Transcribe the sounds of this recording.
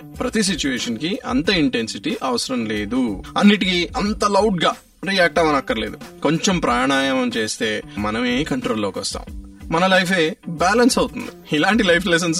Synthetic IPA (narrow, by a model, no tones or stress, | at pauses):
pɾɐt̪is̬it͡ʃuʋeːʂɐnkiɐ̰nt̪ɐiɳʈensiʈiʔɐʋɐsɐɾɐmleːd̪uɐnːiʈikiɐnt̪ɐlɐwʈ̚ɡaː | ɾiaːk̚ʈɐmɐnɐkːɐɾɐleːd̪uko̞ɲt͡ʃempɾaːɳaːjɐmɐmt͡ʃe̞ːst̪e̞ːmɐnɐmeːmikɐɳʈɾoːlːoːkʋɔst̪a̰ːmmɐnɐlɐjpʰe̞ːbaːlɐnsɐwut̪und̪iilaːɳʈilɐjpʰlɛs̬ɐns